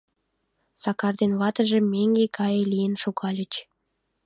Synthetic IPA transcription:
sɑkɑrd̪enβɑt̪ə̆ʒĕmeŋɡekɑjelʲijenʃoɣɑlʲət͡ɕ

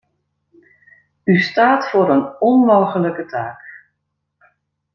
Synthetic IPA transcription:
ystaːtfoːɾənɔnmoːɣələkətʰaːk

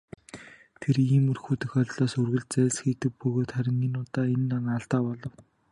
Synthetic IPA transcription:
t̪ʰeriːmɵrxuːt̪ɵ̆xœɮʲɮɔːsɵrɣɘ̆ɮt͡sæːɮsxiːt̪ɘ̆k̚pɵɣoːt̪χæɾʲɪ̆ŋiːnʊːt̪aːenːaŋaɬt̪aːpɔɮɞ̆w

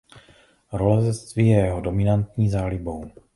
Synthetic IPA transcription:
ɾolɛzɛt͡st̪viːjɛjɛɦodo̞mɪnant̪ɲiːzaːlɪbo̞w

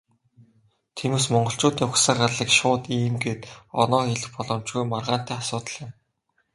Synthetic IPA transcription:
t̪ʰemes̬mɔɴɢɞ̆ɬt͡ɕʊːt̪iːŋʊksə̆ɢarɮĭkʃʊːt̪iːmɡeːt̪ɔ̰nɔːxeɮɘ̆xpɔɮɞ̆mt͡ɕɡujmarʁaːn̥t̪æːasʊːt̪ə̆ɮjɪ̆m

